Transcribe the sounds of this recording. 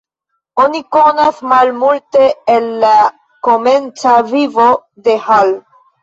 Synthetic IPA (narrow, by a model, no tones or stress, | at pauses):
oniko̞nasmalmulte̞ːnːa | kome̞nt͡savivode̞hal